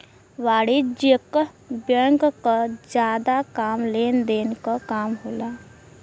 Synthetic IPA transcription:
ʋaːɽid͡ʒek | bjə̃ŋkkad͡ʒjaːd̪akaːmleːnd̪eːnkakaːmɦoːlaː

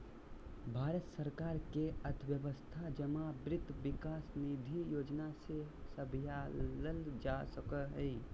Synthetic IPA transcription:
bʱaːɾət̪səɾkaːɾkeət̪ʰʋjəʋəst̪ʰad͡ʒəmabɾɪt̪ʋɪkaːsnid̪ʱijoːd͡ʒnasesəbʱjaləld͡ʒasəkəɦɛi

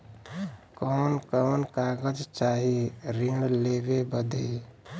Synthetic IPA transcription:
kɔnkɔnkaɡəd͡ʒt͡ʃaɦiɾiɖlebebəd̪əj

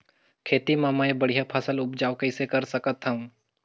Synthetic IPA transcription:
kʰeːt̪imãmaːebɐɽ̤ijapʰɐsəlʊpd͡ʒaːokəɪsekɐɾsɐkət̪ɦɐũː

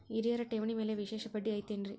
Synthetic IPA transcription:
ɪɾɪjɐɾɐʈɛʋɐnimeːleʋɪʂeːʂɐpːɐʈːiɐɪt̪ːendri

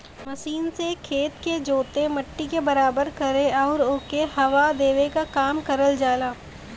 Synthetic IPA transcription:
mɐʃiːnsekʰeːt̪ked͡ʒoːt̪emɐʈːikebɐɾaːbəɾkɐɾeɔːɾoːkehɐʋad̪eːʋekakaːmkɐɾəld͡ʒaːlaː

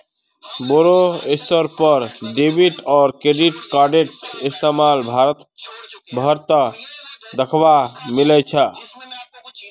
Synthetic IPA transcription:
boɾoest̪əɾpəɾɖebiʈɔːɾkɾeɖiʈkaɖeʈist̪emalbʱaɾət̪bʱəɾt̪ə | d̪əkʰbamilɛt͡ʃʰə

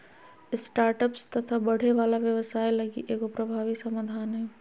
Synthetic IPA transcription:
ɪsʈaːɾʈəpst̪ɐt̪ʰabəɽ̤eʋaːlaʋjəʋsaːiləɡḭʔeːkopɾəbʱaːʋisəmad̪ʱaːnɦɛ

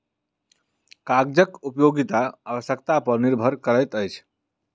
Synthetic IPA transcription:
kaɡ̚d͡ʒəkupjoɡit̪aaβəsjəkt̪apəɾniɾbʱəɾkəɾəjt̪əjt͡ʃʰ

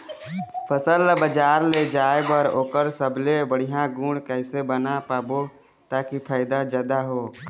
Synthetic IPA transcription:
pʰəsəlbəd͡ʒaɾled͡ʒaebəɾoːkəɾsəblebəɽ̤ijãɡũɽkəɪsebənapaːbo | t̪akipʰaɪd̪ad͡ʒaːd̪aɦo

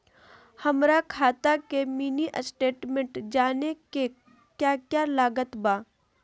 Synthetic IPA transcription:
hɐmɾakʰaːt̪akemiːniʔəsʈeːʈmẽɳʈd͡ʒaːneke | kjaːkjalaːɡət̪baː

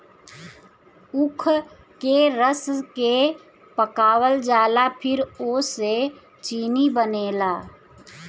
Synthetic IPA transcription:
ʊkʰ | keɾəske | pəkaːwəld͡ʒaːlapʰɪɾoːse | t͡ʃiːnibəneːlaː

